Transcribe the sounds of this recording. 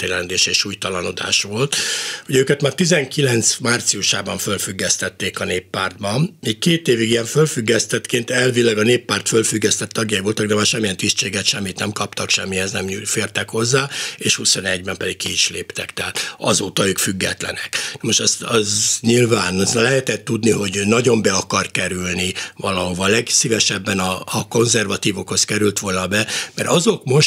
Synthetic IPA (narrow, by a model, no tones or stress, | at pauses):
t̪eːlɛnd̪eːʃeːʃuːjt̪ɒlɒno̞d̪a̰ːʃʋo̞lt̪huɟøːkɛt̪maːrt̪izɛŋkilɛnt̪smaːrt̪siuʃaːbɒɱfølfyɡːɛst̪ɛt̪ːeːkɒneːpːaːrd̪̚bɒniːkkeːt̪eːviɡijɛɱfølfyɡːɛst̪ɛt̪keːnt̪ɛlvilɛɡɒneːpːaːrt̪følfyɡːɛst̪ɛt̪ːɒɡjɒivo̞lt̪ɒɡd̪ɛmaːrʃɛmːijɛnt̪ist͡ʃeːɡɛt̪ʃɛmːit̪nɛmkɒpt̪ɒkʃɛmːiɛznɛmufeːrt̪ɛkho̞zːaːeːʃhuso̞nɛɟbɛmpɛd̪ikkiiʃleːpt̪ɛkt̪ɛɦaːt̪ɒ̰zoːt̪ɒøːkfyɡːɛ̰t̪lɛ̰nɛknmoʃt̪ɛst̪ɒzɲilvaːnzlɛɦɛt̪ɛt̪ːud̪niɦo̞ɟnɒɟo̞mbɛɒkɒrt̪̚kɛɾylnivɒlɒɦo̞vɒlɛɡsivɛʃɛbːɛnɒːko̞nzɛrvɒt̪iːvo̞kho̞skɛɾylt̪ʋo̞lnɒbɛmɛɾɒzo̞kmo̞ʃ